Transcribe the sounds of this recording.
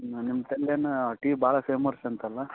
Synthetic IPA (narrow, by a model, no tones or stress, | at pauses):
nimːɐt̪ɐljanʈiːbaːɭɐfeːmɐɾsɐnt̪ɐlːɐ